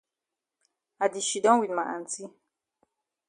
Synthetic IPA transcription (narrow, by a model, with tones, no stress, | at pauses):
a˨di˨ʃi˨dɔ̃˦ŋwi˨nma˨ʔa̰˨n˨ti˦